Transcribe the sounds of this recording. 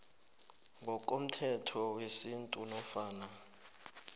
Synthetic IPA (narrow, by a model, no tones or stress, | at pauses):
ŋɡʱɔk̬ʼom̩tʰɛtʰɔwesintʼunɔfaːna